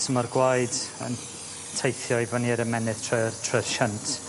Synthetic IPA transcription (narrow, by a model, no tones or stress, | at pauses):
səmɔrɡwajdə̰n | tʰejθjɔivɔniːɾəmɛnɪð̥tʰrɔtʰrɔrʃəntʰ